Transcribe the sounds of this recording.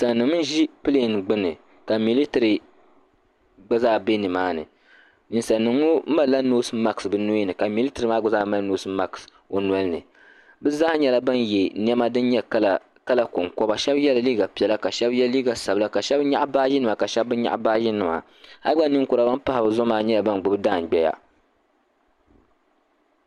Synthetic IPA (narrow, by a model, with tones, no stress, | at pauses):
sa˨nːɨ˨ŋmɨ˦n˦ʒi˦pɨ˦le˦˨nɡ͡bɨ˦nɨ˨ | ka˨mi˨li˦tɨ˨ɾi˨ | ɡ͡ba˦zaː˦˨be˦nɨ˨maː˦nɨ̰˨ | ni˨n˨sa˨nːɨ˨o˦ma˦la˦noː˦sɨ˦ma˦ksbɨ˦no˦ji˦nɨ˨ka˨mi˨li˦tɨ˨ɾɨ˨maː˦ɡ͡ba˦zaː˦ma˦lno˦sɨ˦ma˦ks | o˨nwɔ˦lɨ˦nɨ̰˨ | bɨ˦za˦ɲɛ˦la˦ba˦nje˨ni˦ɛ˦ma˦dɨ˦nɲɛ˦l | ka˦la˨kʊ˨ŋkɔ˦ba˨ʃɛ˦bjɛ˦la˨liː˦ɡa˨pi˨ɛ˨la˦ka˨ʃɛ˦bjɛ˦lliː˦ɡa˨sa˨bɨ˦la˦ka˨ʃɛ˦bɲa˦ʔbaː˦ʒɪ˦nɨ˨ma˨ka˨ʃɛ˦b̚ːɨ˦ɲa̰˦ʔbaː˦ʒɪ˦nɨ˨ma̰˨ | ha˦ɡ͡ba˦ni˦ŋkʊ˨ɾa˨˦ba˦npa˦ha˨bɨ˨zʊ˦maː˦ɲɛ˦la˨ba˦n˨ɡ͡bʊ˦bɨ˦daː˦˨n˨ɡ͡bɛ˦ja̰˦